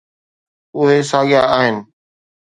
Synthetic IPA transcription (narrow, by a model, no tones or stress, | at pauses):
ʊɦesaːɠɪjaaːɦɪnɪ̆